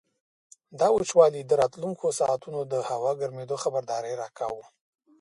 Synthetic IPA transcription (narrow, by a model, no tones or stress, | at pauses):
d̪ɑut͡ʃwɑlid̪əɾɑt̪luŋkʰosɑʔat̪unod̪əhawɑɡaɾmed̪oxabaɾd̪ɑɾəjɾɑka̰wu